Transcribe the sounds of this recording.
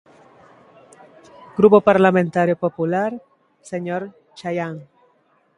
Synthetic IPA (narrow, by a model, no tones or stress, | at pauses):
ɡ̥ɾupopaɾlamẽnt̪aɾjopopulaɾ | seɲoɾ | t͡ʃajaŋ